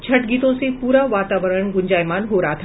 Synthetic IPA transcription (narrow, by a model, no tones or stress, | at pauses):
t͡ɕʰəʈɡiːt̪õsẽpuːɾaʋat̪aʋəɾəɳɡuɲd͡ʑajmaːnɦoɾaːt̪ʰ